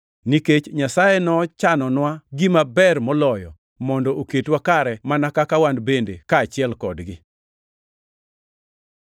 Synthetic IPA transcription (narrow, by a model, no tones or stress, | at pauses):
niket͡ʃɲasajɛnɔt͡ʃanɔnwaɡimabɛrmɔlɔjɔ̰ | mɔndɔʔoketwakaɾɛmanakakawandbendekaːt͡ʃɪɛlkɔdɡɪ